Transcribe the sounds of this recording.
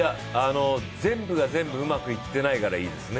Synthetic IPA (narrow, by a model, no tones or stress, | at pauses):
ja | ano̞zẽ̞mbɯ̟ɡazẽ̞mbɯ̟ɯ̟makɯ̟it̪ːe̞naikaɾaiːd̪e̞sɨne